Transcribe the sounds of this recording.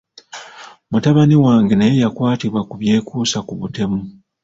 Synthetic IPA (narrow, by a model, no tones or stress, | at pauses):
mutaβaniwaːŋɡenajejakwaːtiβwakuβje̞ːkuːsakuβute̞mu